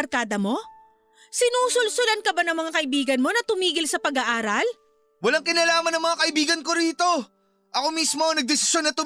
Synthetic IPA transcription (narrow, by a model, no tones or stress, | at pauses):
ɾkaːd̪ɐmo̞ | sɪnuːsʊlsʊlɐnkɐbanɐŋmɐŋakɐʔɪbiːɡɐnmo̞nɐt̪ʊmiːɡɪlsɐpɐɡaʔaːɾɐl | wɐlaŋkɪnaːlaːmɐnːɐŋmɐŋakɐʔɪbiːɡɐnko̞ɾiːt̪o̞ | ʔɐko̞mismo̞ɐŋnɐɡ̚d̪ɛsɪ̥sjonːɐt̪ʊ